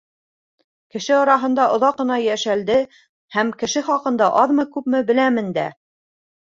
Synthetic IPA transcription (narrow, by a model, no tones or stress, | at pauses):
kɘ̆ʃɘɑɾɑɦɤ̆nd̪ɑʔŏðɑqːɤ̆nɑjæʃæld̪ɘ | hæmkɘ̆ʃɘχɑqɤ̆nd̪ɑʔɑðmɤkʉpmɘbɘ̆læmɘnd̪æ̰